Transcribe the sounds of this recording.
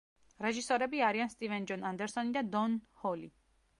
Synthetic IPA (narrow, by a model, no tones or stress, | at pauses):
ɾɛʒisɔɾɛbiaɾianst̪ʼivɛnd͡ʒɔnand̪ɛɾsɔnid̪ad̪ɔnhɔli